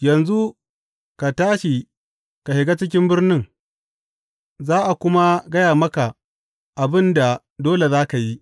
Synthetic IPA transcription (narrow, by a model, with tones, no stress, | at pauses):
jɐ˨nzu˦ | ka˨taː˦ʃi˨ | ka˨hɪ˨ɡa˦t͡ʃɪ˦k̬ʲɪ˦mbɪ˦rnɪ˦ŋ | zaː˦ʔa˨kʷʊ˦ma˦ɡɐ˦jaː˨mɐ˦ka˨ | ʔa˨bɪ˦nda˨ | doː˦le˨zaː˦ka˨ji˦